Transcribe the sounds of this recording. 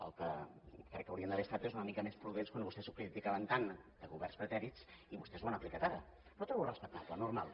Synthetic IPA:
ə̰lˠkəkɾɛkːəwɾiənd̪əβest̪at̪uezunəmikəmespɾuðenskwanβust̪ɛzuwkɾəðifikaβənt̪and̪̥əɣuβɛrnspɾət̪ɛɾisiβust̪ɛzwanəplikat̪aɾə̰ | pɾɔt̪ɾɔβurəspək̚t̪aplənuɾma̰lˠ

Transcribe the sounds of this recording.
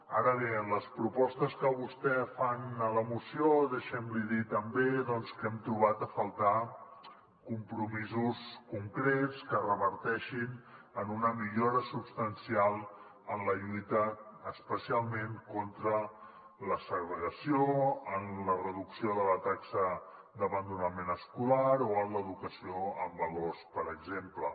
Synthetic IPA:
aɾəβenləspɾupɔst̪əskəβust̪ɛfanələmusioðeʃɛmliðit̪əmbeðɔnskɛmt̪ɾuβat̪əfəlˠt̪a | kumpɾumizuskuŋkɾet͡skərəβəɾt̪ɛʃin | ənunəmiʎoɾəsupst̪ənsialˠ | ənləʎujt̪əːspəsialˠmeŋkont̪ɾə | ləsəɣɾəɣəsioənlərəðuksioðələt̪aksə | d̪əβənd̪unəmenəskulaɾoənləðukəsioəmbəlorspəɾəɡzemplə

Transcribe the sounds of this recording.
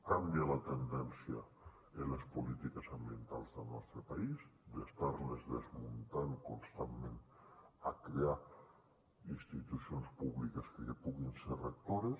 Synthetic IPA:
kambiəlat̪ənd̪ɛnsijə̰ | eləspulit̪ikəsambient̪alˠzðəlnɔ̰st̪ɾəpaizd̪est̪aɾlezðəzmunt̪aŋkunst̪amːenəkɾea | inst̪it̪usionspuβlikəskəkepuɣinserək̚t̪oɾes

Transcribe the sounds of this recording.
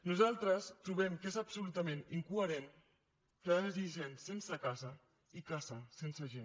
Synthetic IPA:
nuzalˠt̪ɾəst̪ɾuβɛmkezəbsulut̪əmẽniŋkuəɾen | kəzisensensəkazə | ikazəsensəʒen

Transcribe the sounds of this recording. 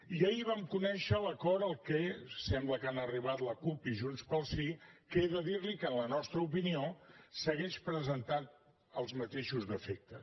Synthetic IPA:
iəiβamkunɛʃələkɔɾəlˠkɛsɛmbləkanəriβ̞at̪ləkupiʒunspəlˠsikeðəðiɾlikənlənɔst̪ɾəupiniosəɣeʃpɾəzənt̪at̪̚ | əlˠzmət̪eʃuzðəfek̚t̪ə

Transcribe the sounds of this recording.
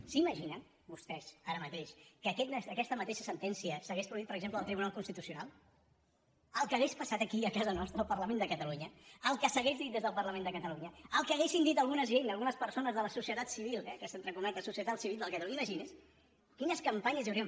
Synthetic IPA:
siməʒinən | bust̪ɛzaɾəmət̪eʃkəkɛt̪nɛsəkɛst̪əmət̪eʃəsənt̪ɛnsiəsəɣespɾuðiit̪̚pəɾəɡzempləðlˠt̪ɾiβunalˠkunst̪it̪usiunalˠ | əlˠkəɣespəsat̪əkiəkazənɔst̪ɾəəlˠpərləmẽnd̪əkət̪əluɲəəlˠkəsəɣezðit̪d̪ezðəlˠpərləmẽnd̪əkət̪əluɲəəlˠkəɣesind̪it̪əlˠɣunəzʒenəlˠɣunəspəɾsonəzðələsusiət̪at̪siβilˠɛkəsənt̪ɾəŋkunat̪ləsusiət̪at̪siβilˠd̪əlˠkət̪luiməʒines | kinəskəmpaɲəziəwɾiə

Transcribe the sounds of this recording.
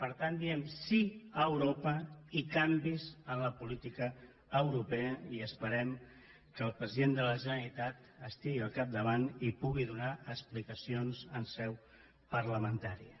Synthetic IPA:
pəɾt̪and̪iɛmsiəwɾopəikambizənləpulit̪ikəː | wɾupeəiəspəɾɛm | kəlˠpɾəziðend̪ələʒənəlit̪at̪ | əst̪iɣiəlˠkap̚d̪əβanipuɣiðunaʔəksplikəsionzənsɛw | pəɾləmənt̪aɾiə

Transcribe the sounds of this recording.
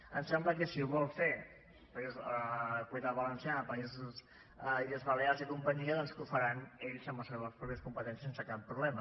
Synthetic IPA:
ənsɛmbləkəsiuβɔlˠfe | pəizəkwuiðaβələnsiapəizus | iəzβəleazikumpəɲiəðɔnskufəɾaneʎzəmləseβəspɾupeɾskumpət̪ɛnsisensəkapːɾuβlɛmə

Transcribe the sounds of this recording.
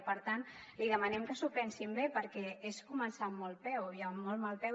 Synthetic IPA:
pəɾt̪an | liðəmənɛmkəsupɛnsimbepəɾkɛeskumənsamːɔlˠpɛwiəmːɔlˠmalˠpɛ

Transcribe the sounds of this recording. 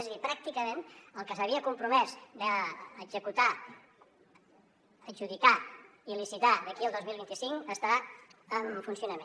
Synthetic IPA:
ɛzəðipɾak̚t̪ikəmenəlˠkəsəβiəkumpɾumɛzd̪əːɡzəkut̪a | əʒuðika | ilisit̪aðəkiəlˠd̪ozmilˠβint̪isiŋəst̪əɾaəmfunsiunəme

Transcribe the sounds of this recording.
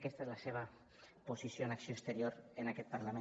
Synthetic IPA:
kɛst̪aezlaseβ̞a | posisjonaksiokst̪əɾijoɾənakɛt̪̚paɾlamẽ

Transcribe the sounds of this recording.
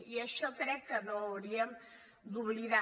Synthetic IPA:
iəʃɔkɾɛkːənoːwɾiəm | d̪uβliða

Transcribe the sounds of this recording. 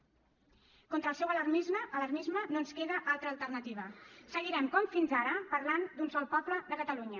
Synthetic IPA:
kont̪ɾəlˠsɛwələrmizməʔələɾmizmənoənskeðəʔalˠt̪ɾəːlˠt̪ərnət̪iβ̞əsəɣiɾɛmkɔmfinzaɾəpəɾland̪unsɔlˠpɔpləðəkət̪əluɲə

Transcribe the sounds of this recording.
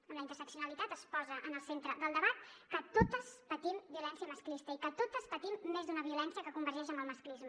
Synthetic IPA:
əmləint̪əɾsəksiunəlit̪at̪əspɔzəʔənəlˠsent̪ɾəðəlˠd̪əβat̪̚kət̪ot̪əspət̪imbiulɛnsiəməsklist̪əikət̪ot̪əspət̪imːezd̪unəβiulɛnsiəkəkumbəɾʒɛʒəməlˠməsklizmə

